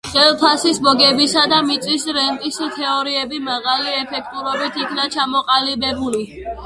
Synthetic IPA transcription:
χɛlˠpʰasisbɔɡɛbisad̪amit̪sʼisɾɛnk̪ʼist̪ʰɛɔɾiɛbimaʁaliɛpʰɛk̚ʰt̪ʼuɾɔbit̪ʰikʰnat͡ʃʰamɔqʼalibɛbuli

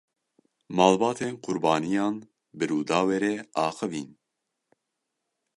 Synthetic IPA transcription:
mɑːlbɑːt̪ʰeːnqʰʊɾbɑːnijɑːn | bɨɾuːd̪ɑːweːɾeːɑːxɨviːn

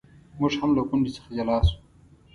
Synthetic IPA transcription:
mʊʐhamlakʊɳɖisə̥xad͡ʒalɑːsu̥

